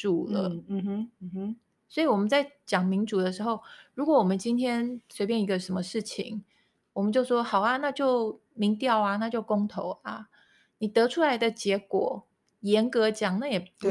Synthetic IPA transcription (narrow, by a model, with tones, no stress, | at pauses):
ʈ͡ʂu˥˨˩lə̰˨˦˨ | swɔ˧˥i˨˩wɔ˨˩mə˨˦nt͡sa˥˩ɪt͡ɕjɑ˨˩ŋmi˧˥ŋʈ͡ʂu˨˩d̪ə˦ʂ̬ɻ̩˧˥xo˥˩ʊɻu˧˥kwɔ˧˥wɔ˨˩mə˦nt͡ɕi˥nt̪ʰjɛ˥nswe˧˥ɪpjɛ˥˩ni˧˥ɡə˧ʂə˧˥nmə˧ʂɻ̩˥˩t͡ɕʰḭ˨˩ŋ | wɔ˨˩mə˨˦nt͡ɕjo˥˩ʊʂwɔ˥xɑ˨˩ʊa˧na˥˧t͡ɕjo˥˩ʊ | mi˧˥ŋt̪jɑ˥˩ʊa˨na˥˧t͡ɕjo˥˩ʊkʊ˥ŋt̪ʰo˧˥ʊa̰˧ | ni˨˩t̪ɤ˧˥ʈ͡ʂʰu˥la˧˥ɪd̪ə˨t͡ɕjɛ˧˥kwɔ̰˨˩ | jɛ˧˥nkɤ˧˥t͡ɕjɑ˨˩ŋna˥˩jɛ˨˩